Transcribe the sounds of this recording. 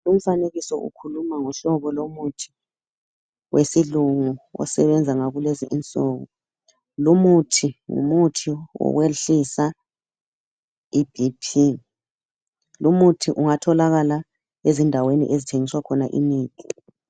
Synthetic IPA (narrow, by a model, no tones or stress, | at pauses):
lum̩faneɣisɔʔṵkʰulumaŋuɬɔβɔlomutʰi̥ | wʔesiluŋuɔ̰sɛβɛnd͡zʱaŋaɣuleziʔint͡sʼɔɣɔ̰ | lumutʰiŋṵmutʰiwɔ̰weɬisa | ib̥ipʰi | lumutʰiʔuŋatʰɔlaɣala | ezindʱawenḭʔezitʰeŋiswakʰɔnaʔḭmiːtʰʼi